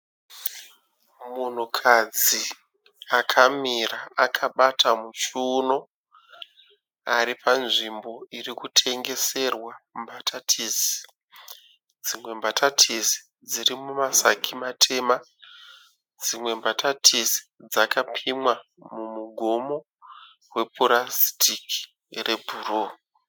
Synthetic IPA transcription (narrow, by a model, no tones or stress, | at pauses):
mun̤ukʰad͡zi | akʰamiraʔakʰaɓatʰamut͡ʃuːno̞ | aɾipʰanʐimbo̞irikutʰe̞ŋɡe̞se̞rwambatʰatʰis | d͡zimwe̞mbatʰatʰisi̥ | d͡zirimumasakʰimatʰe̞ma | d͡zimwe̞mbatatʰisi̥d͡zakapʰimwa | mumuɡʱo̞mo̞ | we̞poɾasi̥tʰiki̥ | re̞bʱuroː